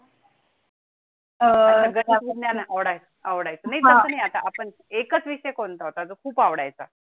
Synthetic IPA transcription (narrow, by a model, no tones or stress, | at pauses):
əaɡəɾaənjanaaʋɽajt͡səaʋɽajt͡sənaijt̪əsənaɦjat̪aʔapəɳ | ekət͡sʋiɕəjkont̪aɦot̪ad͡zokʰuːpaʋɽa̰jt͡sa̰